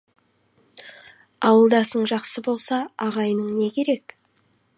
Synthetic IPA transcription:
ɑwəlˠd̪ɑsəɴʒɑqsəbo̞lˠsɑːʁɑjənəɴne̞kʲʰe̞ɾe̞k

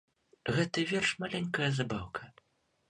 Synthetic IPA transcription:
ɣɛt̪ɐvʲɛrʂmalʲɛnʲkɐjɐzabawkʰɐ

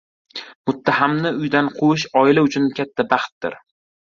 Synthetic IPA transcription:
mʊt̪ʰːahamnɪʊjd̪anqʰoɪʃɒɪlaʊt͡ʃʰʊnkʲʰat̪ʰːabɑχt̪̚d̪ɪ̰ɾ

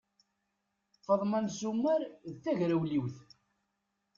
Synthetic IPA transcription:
fəðˤmænzumːəɾðθæʝɾæwliwθ

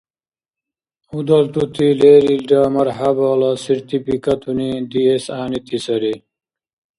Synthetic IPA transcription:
ud̪ɐlt̪ut̪ʰileːɾilɖaːmɐɾɦabaːlɐsiɾt̪ipikɐt̪ʰunid̪iesaːnit̪ʰisɐɾi

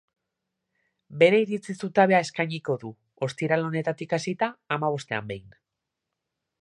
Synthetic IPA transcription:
be̞ɾe̞iɾit͡sisut̪aβe̞ae̞skajɲiko̞ðu | o̞st̪iɾalo̞ne̞t̪at̪ikasit̪aːmaβ̞o̞st̪e̞a̰mbe̞jn

